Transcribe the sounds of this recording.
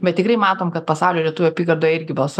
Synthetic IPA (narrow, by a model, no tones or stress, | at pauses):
bʲɛt̪tʲɪkrɐɪmɑːt̪oːmkɐt̪̚pɐsɑʊlʲoːlʲiɛt̪ʊʋʲʊɐpʲiːɡɐrd̪oːjɪɾʲɡʲɪbɐlˠs